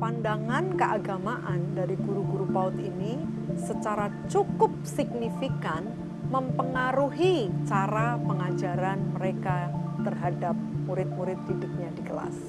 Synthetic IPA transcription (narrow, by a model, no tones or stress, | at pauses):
pandaŋankəʔaɡamaʔandaɾiɡuɾuɡuɾupaʊt̪ini | sət͡ʃaɾat͡ʃukʊp̚sɪk̚nifikan | məmpəŋaɾuɦit͡ʃaɾapəŋad͡ʒaɾanməɾekat̪ərɦadap̚muɾɪt̪̚muɾɪt̪̚didʊp̚ɲadiɡəla̰s